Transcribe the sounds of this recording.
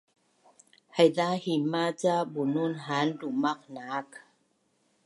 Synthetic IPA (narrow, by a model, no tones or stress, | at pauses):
hajdaːhimaːt͡ɕabununɦaːndumak̚naːk̚